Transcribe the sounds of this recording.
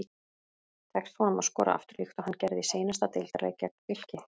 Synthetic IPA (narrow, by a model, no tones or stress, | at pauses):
t̪ʰɛkst̪ɔnma̰skɔːɾa̰ʔa̰ft̪ʏɾlixt̪ɔɦanːcɛɾðɪseːjnast̪at̪ɪlt̪arḛjca̰kfɪl̥cɪ